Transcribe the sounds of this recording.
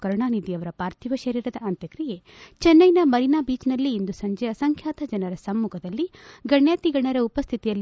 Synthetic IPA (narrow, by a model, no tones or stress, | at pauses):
kɐɾuɳaːnid̪iɐʋɐɾɐpaːɾt̪ʰiʋɐʃɐɾiːɾɐd̪ɐɐnt̪jɐkɾije | t͡ʃɛnːɐjnɐmɐɾinaːbiːt͡ʃnɐlːiːnd̪usɐɲd͡ʒɛjɐsɐŋkʰjaːt̪ɐd͡ʒɐnɐɾɐsɐmːukʰɐd̪ɐlːiɡɐɳjaːt̪iɡɐɳɐɾɐupɐst̪ʰit̪ijɐlː